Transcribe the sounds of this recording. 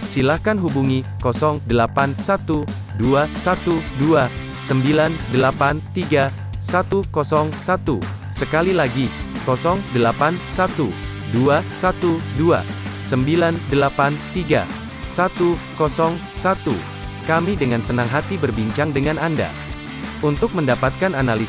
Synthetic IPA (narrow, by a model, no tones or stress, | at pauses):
silahkanɦubuŋikɔsɔŋdəlapansat̪u | duasat̪udua | səmbilandəlapant̪iɡa | sat̪ukɔsɔŋsat̪u | səkalilaɡi | kɔsɔŋdəlapansat̪u | duasat̪udua̰səmbilandəlapant̪iɡa̰ | sat̪ukɔsɔŋ | sat̪ṵ | kamidəŋansənaŋɦat̪ibərbiɲt͡ʃaŋdəŋananda̰ | unt̪ʊk̚məndapat̪̚kananali